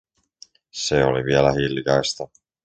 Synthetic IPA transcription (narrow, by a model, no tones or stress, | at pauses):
seoliʋielæhilːkɑjst̪ɑ